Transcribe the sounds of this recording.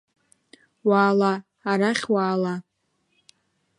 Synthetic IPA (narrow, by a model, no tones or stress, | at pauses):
waːla | aɾaχʲwaːla